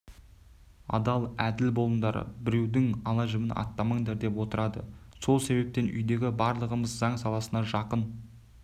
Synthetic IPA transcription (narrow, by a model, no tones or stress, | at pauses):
ɑ̰d̪ɑlˠæd̪ɪlbo̞lˠənd̪ɑɾə̰bɪɾe̞wd̪ɪŋɑlˠɑʒɪmɪnʔɑ̰t̪ːɑməɴd̪ɑɾd̪e̞pwo̞t̪əɾɑd̪ə̰so̞lˠse̞βe̞p̚t̪e̞nʔʏ̰jd̪e̞ɡʲɪbɑɾlˠəʁəməzzɑɴsɑlˠɑsənɑʒɑqən